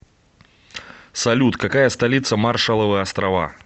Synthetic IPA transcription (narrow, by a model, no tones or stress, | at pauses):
salʲut̪kakajɐst̪alʲit̪sɐmarʂɐlˠɐvɨɐst̪ɾava̰